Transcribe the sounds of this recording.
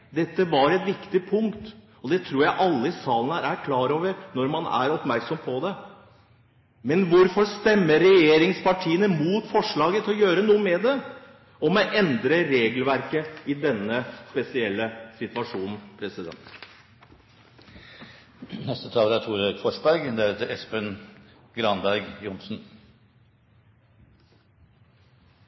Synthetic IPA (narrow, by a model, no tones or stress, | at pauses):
d̪ɛt̪ːəʋɑɾɛt̪ʋɪkt̪ɪpʰʊŋkt̪ | ɔd̪ɛt̪ʰɾuːɾjæɪʔɑlːəɪsɑːlənəæɾæɾkʰlɑːɾoːʋəɾnɔɾmɑnæ̰ɾɔpmæɾksɔmpʰɔd̪ɛ | mɛnʋʊɾfɔʂt̪ɛmːəɾɾɛjeːɾɪŋspɑʈʰiːənəmuːt̪fɔʂɭɑːɡət̪ʰɪlɔjøːɾənuːəmɛd̪ɛ | ɔmɔʔɛnd̪ɾəɾeːɡlʋæɾkəɪd̪ɛnːəspɛsɪɛlːəsɪt̪ʋɑʂuːnn̩pʰɾɛsɪd̪ɛ̰nt̪ | nɛst̪ət̪ʰɑːləd̪æt̪ʰuːɾøkfɔʂbæɾɡd̪ɛt̪ɛspən | ɡɾɑnbæɾɡjʊnsn̩